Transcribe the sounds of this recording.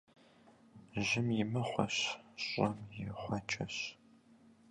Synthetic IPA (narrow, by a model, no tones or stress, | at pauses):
ʑɪmjɪmɐχʷɔ̰ɕɕʼɐmjɪχʷɐt͡ʃʰʼɐɕ